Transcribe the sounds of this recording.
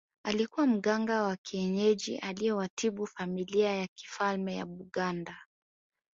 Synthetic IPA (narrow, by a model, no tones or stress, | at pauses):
alikuwam̩ɠaŋɡawakʰiɛɲɛʄiʔalijɛwatʰiɓufamiliajaki̥falmɛja̰ɓuɠanda